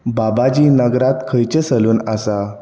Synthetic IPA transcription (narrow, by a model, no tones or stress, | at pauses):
babad͡ʑiːnəɡɾat̪kʰəjt͡ɕesəluːnasa